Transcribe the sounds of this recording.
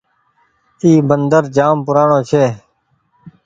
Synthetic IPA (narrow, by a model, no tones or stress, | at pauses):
t̪iːbənd̪əɾd͡ʒaːmpʊɾaːɳõːt͡ʃʰeː